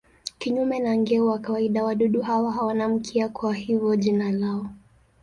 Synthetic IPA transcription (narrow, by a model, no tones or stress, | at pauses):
kiɲumɛnaŋɡɛuwakawaiɗawaɗuɗuɦawaɦawanam̩kʰiakwahivɔʄinalaɔ